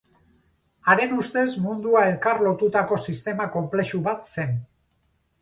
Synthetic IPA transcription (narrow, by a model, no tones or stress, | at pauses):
aɾe̞nust̪e̞smund̪uae̞lkaɾlo̞t̪ut̪ako̞sist̪e̞mako̞mple̞ʃuβat̪se̞n